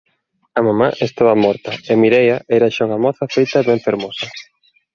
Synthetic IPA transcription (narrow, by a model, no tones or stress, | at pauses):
ɐmamaʔest̪aβɐmɔɾt̪ɐemiɾejaʔɛɾaʃauŋamɔθɐfejt̪ɐeβɛɱfeɾmɔsɐ